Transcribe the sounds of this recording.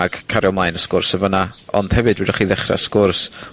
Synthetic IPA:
ɡ̥kʰaɾjɔmlajnəskʊrsəvənaɔ̰nd̥hɛvɨdwɪdəχiːðɛχra̰skʊrs

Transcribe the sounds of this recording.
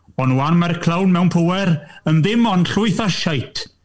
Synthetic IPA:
ɔnwanmarkʰlˠawnmɛwnpʰəwɛɾənðɪmɔnɬʊɨθaʃajtʰ

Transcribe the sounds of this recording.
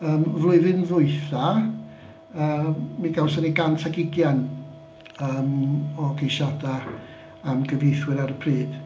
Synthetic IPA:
əːmvlˠʊɨðɨnðʊɨθa | əːmːiɡawsɔniɡantʰaɡɪɡjan | əːmɔɡejʃadaː | mɡəvejθwɪɾaɾəpʰriːd̥

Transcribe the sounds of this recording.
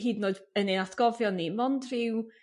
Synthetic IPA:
ɦiːdnoːɨdənɪnatʰɡ̥ɔvjɔnːimɔndrɪw

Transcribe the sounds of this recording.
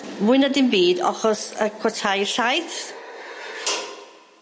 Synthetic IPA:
muɨnadɪnbiːdɔ̰χɔsəkʰwɔtʰajɬajθ

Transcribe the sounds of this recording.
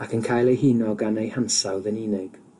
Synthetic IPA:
akʰənkʰajlˠejɦinɔɡanejhansawðəninɪɡ̥

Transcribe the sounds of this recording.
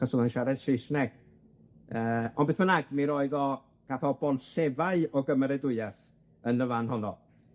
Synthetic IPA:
asɔlˠənʃaɾɛd̥sɪsnɛɡ̥̚ | əːɔnbeθmənaɡmiɾɔɨðɔ | ɡ̥aθɔbɔnɬɛvaɨɔɡəməɾɛdʊɨas | ənəvanhɔnɔ

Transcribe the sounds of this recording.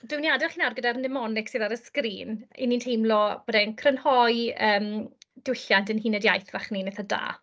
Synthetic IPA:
d̥ɪwniadɛlχiːnawrɡədaɾnɪmɔnɪksɨːðaɾəskriːnḭnintʰejmlˠɔbɔːdɛnkʰrənhɔjəːmdɪwɬjandənhinɛdjajθvaχninɪθada̰ː

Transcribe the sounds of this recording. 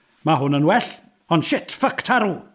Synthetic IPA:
maɦʊnənwɛɬ | ɔnʃɪtʰfəktʰaɾu

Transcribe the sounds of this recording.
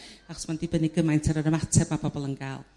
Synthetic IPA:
aχɔ̥smandibəniɡəmajntʰəɾəɾəmatʰɛb̥mabɔbɔlˠənɡalˠ

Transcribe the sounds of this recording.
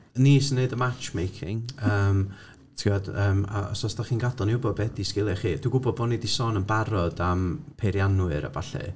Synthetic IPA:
niːsəneɨdəmat͡ʃmejkʰɪ̰ŋəːm | tʰiɔdəːma̰ɔ̰sɔsd̥aχiːnɡadɔniʊbɔd̚bɛdiskɪlˠɛχiːd̥wiɡʊbɔd̚bɔnidisɔnənbaɾɔdampʰeɾjanwɨɾa̰vaɬɛ̰

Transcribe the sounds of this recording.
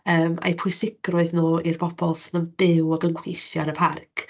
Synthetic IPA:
əːma̰jpʰʊɨsɪɡ̥rʊɨðnoːirb̥ɔb̥ɔlˠsɪnəmd̥ɪwɔɡənɡwijθjɔɾəpʰarkʰ

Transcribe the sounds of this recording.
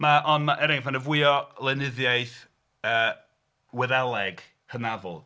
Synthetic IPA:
maʔɔnmaʔɛɾɪŋvanəvwɪɔlˠɛnɪðjajθ | əː | wɛðalˠɛɡ | hənavɔ̰lˠ

